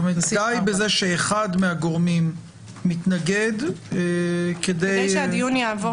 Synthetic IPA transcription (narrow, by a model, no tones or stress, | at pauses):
medajbeze̞ʃeːχad̪meaɡo̞ʁmimː | it̪naɡe̞d̪ | kedejjad̪iunjaːvo